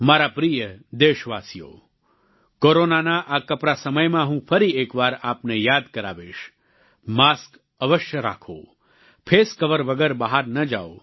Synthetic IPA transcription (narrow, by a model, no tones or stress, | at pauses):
maɾapɾijəd̪eʃʋasijo̰ | koɾonanaʔakəpɾasəməjmãɦũfʰəɾiekʋaɾapnejad̪kəɾa̰ʋeʃ | mask | əʋəʃjəɾa̰kʰo̰ | pʰeskəʋəɾʋəɡəɾbəɦaɾnəd͡ʒao